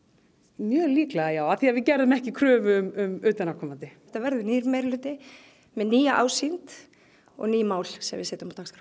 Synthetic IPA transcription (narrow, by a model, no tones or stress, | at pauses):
mjœːliːklaɣajaːwaθiaðvɪcɛɾðʏmɛhcɪkʰɾœːvʏʏmʏmʏːt̪anakʰɔmant̪ɪ | t̪avɛɾðʏniːɾmejɾɪlʏːt̪ɪ | mɛðniːjaʔaːwsint̪ | ɔ̰ɣniːmaːwl̥sɛ̰mvɪ̰sɛːt̪ʏmawt̪ʰaːkskɾa